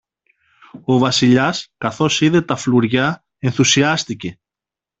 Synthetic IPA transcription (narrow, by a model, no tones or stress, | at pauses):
o̞vɐsiʎɐskɐθo̞siðe̞t̪ɐfluɾʝɐ | e̞nθusiɐst̪ice̞